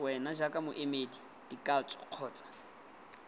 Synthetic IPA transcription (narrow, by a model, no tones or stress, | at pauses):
wɛnad͡ʒakʼamʊʔemeːdi | d̥ikʼat͡sʼɔ̥q͡χʰɔːt͡sʼḁ